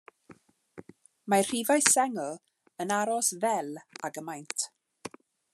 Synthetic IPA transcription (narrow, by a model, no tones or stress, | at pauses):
mar̥ivajsɛŋ | ənaɾɔsvɛlˠaɡəmajntʰ